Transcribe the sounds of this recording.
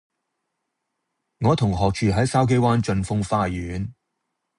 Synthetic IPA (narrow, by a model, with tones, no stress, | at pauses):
ŋɔː˨˧t̪ʰʊ˨˩ŋɦɔː˨k̚t͡ʃʰyː˨ɦɐ˨˥jsaː˥wk̬e˥jwaː˥nt͡ʃɵ˧nfʊ˥ŋfaː˧jyː˨n